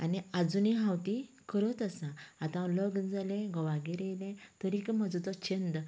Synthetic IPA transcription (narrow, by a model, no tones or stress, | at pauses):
a̰niad͡zuniɦãwt̪i | kəɾɔt̪asãːt̪ãləɡd͡zalɛ̃ɡɔʋaɡiɾejlɛ̃t̪əɾikmad͡zut̪ɔt͡ɕend̪